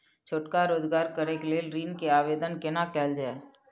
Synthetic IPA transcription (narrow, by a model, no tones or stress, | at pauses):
t͡ʃʰoːʈkaɾoːd͡ʒɡaːɾkəɾekleːlɾiːnkeaːʋeːd̪ənkɪnakɛːld͡ʒaːe